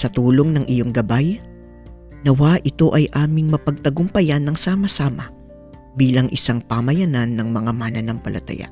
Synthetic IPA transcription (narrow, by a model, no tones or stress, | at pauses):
sɐt̪uːlo̞ŋnɐŋʔɪjo̞ŋɡɐbaj | nɐwaʔɪt̪o̞ʔɐjʔaːmɪŋmɐpɐɡ̚t̪ɐɡʊmpɐjanːɐŋsaːmɐsaːmɐ | biːlɐŋʔɪsaŋpamɐjɐnanːɐŋmɐŋamanɐnɐŋpɐ̰lʔɐ̰t̪ɐ̰ja̰